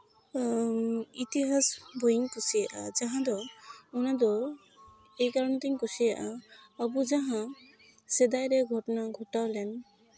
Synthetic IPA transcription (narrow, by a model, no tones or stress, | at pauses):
it̪iɦasbʱojiŋkusijaʔa̰d͡ʒaɦãd̪ɔunad̪ɔ | ejkaɾɔnt̪iŋkusijaʔaːbud͡ʒaɦã | sɛd̪ajɾɛɡʱɔʈɔnaɡʱɔʈawlɛn